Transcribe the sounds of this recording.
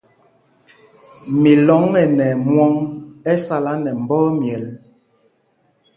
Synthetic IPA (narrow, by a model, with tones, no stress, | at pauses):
mi˨lɔ˨˦ŋːɛ˨nɛ˨mwɔ˦ŋɛ˦sa˦la˦nɛ˨m̩˨bɔː˦mjɛ˨l